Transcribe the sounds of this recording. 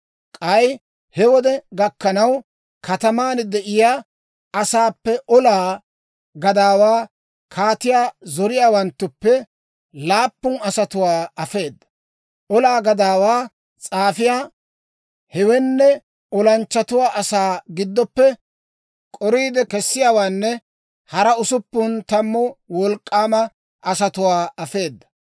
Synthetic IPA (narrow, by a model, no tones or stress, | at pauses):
kʼɐj | hɛwɔd̪ɛɡɐkːɐnɐw | kʰɐt̪ɐmaːnd̪ɛʔɪjaː | ɐsaːpːɛʔɔlaː | ɡɐd̪aːwaː | kʰaːt̪ɪjaːzɔɾɪjaːwɐnt̪ːʊpːɛ | laːpːʊnɐsɐt̪ʊwaːɐfe̞ːd̪ːɐ̥ | ʔɔlaːɡɐd̪aːwaː | t͡sʼaːfɪjaː | hɛwɛnːɛ | ʔɔlɐnt͡ʃːɐt̪ʊwaːʔɐsaːɡɪd̪ːɔpːɛ | kʼɔɾiːd̪ɛkɛsːɪjaːwaːnːɛ | hɐɾɐʊsʊpːʊnt̪ɐmːɔwɔlkʼːaːmɐ | ʔɐsɐt̪ʊwaːɐfe̞ːd̪ːɐ̥